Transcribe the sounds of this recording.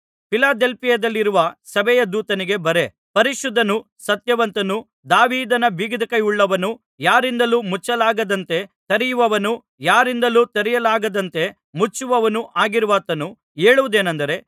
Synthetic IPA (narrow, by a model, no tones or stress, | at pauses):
pilaːd̪elpijɐd̪ɐlːiɾuʋɐsɐbɛjɐd̪uːt̪ɐniɡe̞bɐɾe̞ | pɐɾiʃud̪ʱːɐnu | sɐt̪jɐʋɐnt̪ɐnu | d̪aːʋiːd̪ɐnɐbiːɡid̪ɐkɐjuɭːɐʋɐnu | jaːɾind̪ɐluːmut͡ʃːɐlaːɡɐd̪ɐnt̪e̞t̪ɐɾijuʋɐʋɐnu | jaːɾind̪ɐluːt̪ɐɾɛjɐlaːɡɐd̪ɐnt̪e̞ | mut͡ʃːuʋɐʋɐnuʔaːɡiɾuʋaːt̪ɐnu | eːɭuʋud̪e̞ːnɐnd̪ɐɾe̞